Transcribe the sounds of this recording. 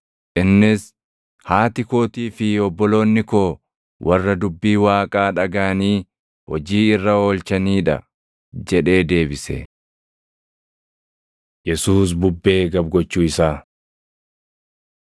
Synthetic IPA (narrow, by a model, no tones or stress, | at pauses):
ʔɪnːɪs | haːt̪ɪko̞ːt̪iːfɪɔbːɔlo̞ːnːɪko̞ː | wʔɐrːɐd̪ʊbːiːwaːkʼaːᶑɐɡaːniː | hɔd͡ʒiːɪrːɐo̞ːlt͡ʃɐniːᶑɐ̰ | d͡ʒɛᶑe̞ːd̪e̞ːbɪsɛ̰ | jɛsuːs̬bʊbːe̞ːɡɐb̚ɡɔt͡ʃːuːɪsaː